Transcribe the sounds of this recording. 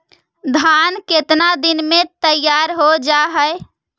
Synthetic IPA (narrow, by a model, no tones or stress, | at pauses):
d̪ʱanket̪nad̪inmet̪əjaɾɦod͡ʒaɦəe